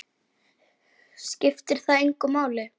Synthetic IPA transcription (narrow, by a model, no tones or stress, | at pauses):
scɪft̪ɪɾ̥θaðejŋkʏmaːwlɪ